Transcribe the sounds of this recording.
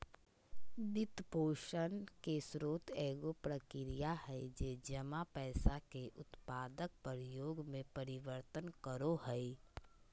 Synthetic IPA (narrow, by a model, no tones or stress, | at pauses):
d̪ɪt̪poːʃənkesɾoːt̪ʰɛːɡopɾəkɪɾijaɦɛɪd͡ʒeːd͡ʒəmapɛːsakeʔʊt̪paːd̪ək̚pəɾjoːɡmẽpəɾɪʋəɾt̪ənkəɾoɦɛi